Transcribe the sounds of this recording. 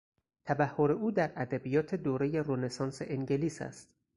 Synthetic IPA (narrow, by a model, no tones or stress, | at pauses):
t̪ʰæbæhːoɾe̞uːd̪æɾæd̪æbijɒːt̪ʰe̞d̪oːɾe̞je̞ɾone̞sɒːnseʔeŋɟe̞liːsæ̰st̪